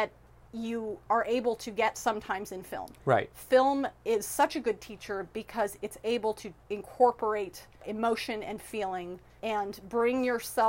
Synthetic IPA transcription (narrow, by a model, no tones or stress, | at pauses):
ðɨt͡ʃ | ɨə˞ʔeɪbl̩ˠtʰɨɡɛtsʌ̃mtʰãɪ̃mzɨ̃nfɪ̰lˠmɹa̰ɪtfɪlˠmɪz̥sʌt͡ʃɨɡʊd̚tʰit͡ʃə˞b̥ɨkʰʌzɨtseɪbl̩ˠtʰɨɨ̃nkʰɔɹpə˞eɪɾɪmoʊʃɨ̃nɨ̰̃nfilˠɪ̃ŋ | ɨ̃nbɹɪ̃ŋjə˞sɛ